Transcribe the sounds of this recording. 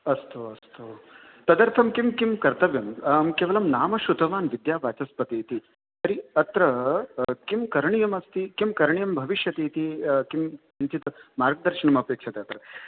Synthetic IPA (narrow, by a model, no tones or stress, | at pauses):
ɐst̪oːɐsst̪oː | t̪ɐd̪ɐɾfʰɐmkimkimkɐɾt̪ɐʋjɐmmkeːʋɐlɐmnaːmɐʃud̪ʱɐʋaːnʋid̪jaːpaːt͡ʃɐspɐt̪eːt̪i | t̪ɐɾiɐt̪ɾɐ | kimkɐɾɳijɐmɐst̪ikimkɐɾɳijɐmbʱɐʋiʃjɐt̪eːt̪ikim | ɐnt͡ʃit̪maːɾɡɐd̪ɐɾʃinɐmɐpeːkʂɐt̪eɐt̪ɾɐ